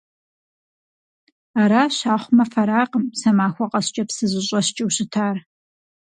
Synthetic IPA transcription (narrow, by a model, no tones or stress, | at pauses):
aɾaːɕaːχʷmɐfɐɾaːqəmsɐmaːxʷɔqʼɐɕt͡ʃʼɐpsɨʑɨɕʷʼɐɕt͡ʃʼɪwɕɪtʰaːr